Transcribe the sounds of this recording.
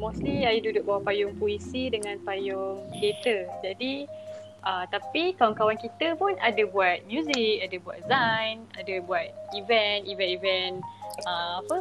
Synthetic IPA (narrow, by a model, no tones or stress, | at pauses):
mostliajududʊk̚bawapajʊŋpoisidəŋãnpajʊŋket̪əd͡ʒadi | ʔət̪apikawaŋkawankit̪əpʊnadabuat̪̚mjuzik̚adabua̰t̪̚zãjna̰dabuat̪̚ivɛnivɛ̃nivɛnəapə